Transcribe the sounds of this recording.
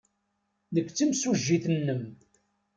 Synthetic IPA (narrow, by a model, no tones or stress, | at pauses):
nəkʷːt͡sːəmsuʒːiθənːəm